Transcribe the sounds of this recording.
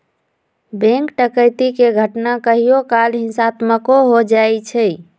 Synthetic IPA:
bɛ̃ŋkʈəkəjt̪ikeɡʱəʈnakəɦijokalɦĩnsat̪məkoɦod͡ʒajt͡ʃʰɛ

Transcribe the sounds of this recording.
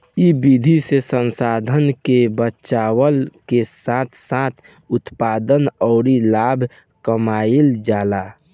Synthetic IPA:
ibid̪ʱisesənsaːd̪ʱənkebətːʃaːwəlkesat̪ʰsat̪ʰ | ʊt̪paːd̪ənɔʊɾilaːbʱ | kəmaːild͡ʒaːlaː

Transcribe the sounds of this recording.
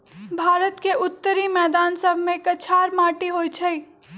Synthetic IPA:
bʱaːɾət̪keʊt̪ːəɾimɛːd̪aːnsəbʱmẽkət͡ʃʰaːɾmaːʈiɦoːit͡ʃʰəi

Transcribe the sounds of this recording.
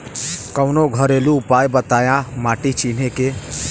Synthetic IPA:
kəʊnoɡʱəɾeːluʊpaːjbət̪aːjãmaːʈit͡ʃiːn̤eke

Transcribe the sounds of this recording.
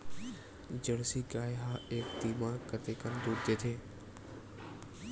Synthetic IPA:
d͡ʑəɽsiːɡaːjɦaːeːk̚t̪iːmakət̪ekənd̪uːɾd̪eːt̪ʰeː

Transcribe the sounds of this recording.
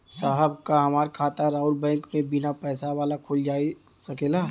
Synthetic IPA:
saːɦəbkaɦɐmaːɾkʰaːt̪əɾaːʊɾbɛ̃ːŋkmẽbɪnapɛːsaʋaːlakʰold͡ʒaːisəkeːla

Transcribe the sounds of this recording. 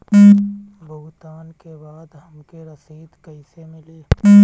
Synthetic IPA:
bʱʊɦt̪aːnkebaːd̪ɦɐmkeɾɐsiːd̪kəɪsemɪleː

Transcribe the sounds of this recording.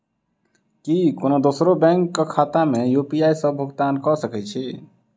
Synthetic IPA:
kikonod̪osɾobɛ̃ŋkːekʰat̪amejupijajsə̃bʱuɡt̪ankɔsəkɛt͡ʃʰi

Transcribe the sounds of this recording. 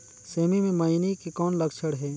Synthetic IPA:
seːmimẽmɐinikikɔːnləkt͡ʃʰəɽɦɛː

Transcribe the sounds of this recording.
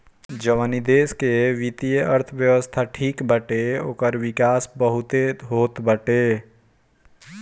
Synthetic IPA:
d͡ʒəʋanid̪eːskeʋɪt̪ijəəɾt̪ʰəʋjəwəst̪ʰaʈʰiːkbəʈeo̰ːkəɾwɪkaːsbəɦʊt̪eɦoːt̪bəʈeː

